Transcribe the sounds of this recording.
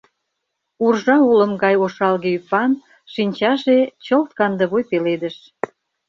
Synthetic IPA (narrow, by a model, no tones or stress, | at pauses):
urʒɑulə̆mɡɑjoʃɑlɣeypɑn | ʃinʲt͡ɕɑʒet͡ɕəlt̪kɑnd̪ə̆βojpeled̪ə̆ʃ